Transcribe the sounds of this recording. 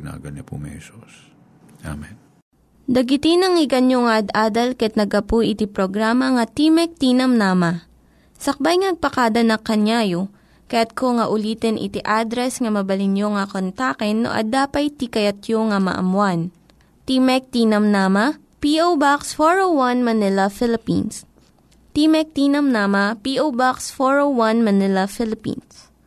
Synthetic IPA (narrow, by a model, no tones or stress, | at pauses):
ɪna̰ːɡɐnɐpʊ̰mɛ̰sos | ʔa̰mɛn | d̪ɐɡɪt̪ɪnɐŋɪɡɐnjoŋaʔɐd̪ʔaːd̪ɐlkɐɐt̪nɐɡɐpujʔɪt̪ipɾoɡɾaːmɐŋɐt̪imɛk̚t̪iːnɐmnaːmɐ | sɐk̚bajŋnɐɡ̚pɐkad̪ɐnɐkːɐnjaːjo | kɐjat̪̚koŋɐʔʊliːt̪ɛnʔɪ̰t̪iʔad̪ɾɛsŋɐmɐbɐlɪnjoŋɐkont̪aːkɛnːo̰ʔɐ̰d̪aːpɐjt̪ikɐjɐt̪joŋɐmɐ̰ʔɐ̰mwan | t̪iːmɛk̚t̪iːnɐmnaːmɐ | piʔowbaksfoɹowwɐnmɐnɪlɐfɪlɪpḭns | t̪imɛk̚t̪iːnɐmnaːmɐpiʔowbaksfoɹowwanmɐnɪlɐfɪlɪpḭns